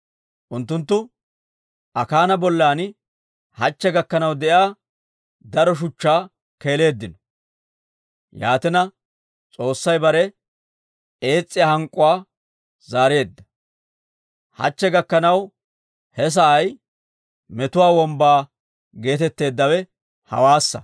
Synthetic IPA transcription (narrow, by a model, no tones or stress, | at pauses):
ʔʊnt̪̬ːʊnt̪ːʊ | ʔɐkaːnɐbɔlːaːn | hɐt͡ʃːɛɡɐkːɐnɐwd̪ɛʔjaː | d̪ɐɾɔʃ̬ʊt͡ʃːaː | ke̞ːle̞ːd̪ːɪnɔ̥ | jaːt̪ɪnɐ | t͡sʼo̞ːsːɐjbɐɾɛ | eːt͡sʼːɪjahɐŋkʼːʊwaː | zaːɾe̞ːd̪ːɐ̥ | hɐ̰t͡ʃːɛɡɐkːɐnɐw | hɛs̬ɐʔːj | mɛt̪ʊwaːwɔmbaː | ɡe̞ːt̪ɛt̪ːe̞ːd̪ːɐwɛ | hɐ̰waːsːɐ